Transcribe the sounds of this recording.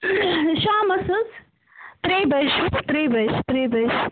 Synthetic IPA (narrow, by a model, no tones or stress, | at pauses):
ʃaːmɐsɐz | t̪ɾeːbɐʃt̪ɾeːbɐʃt̪ɾeːbɐʃ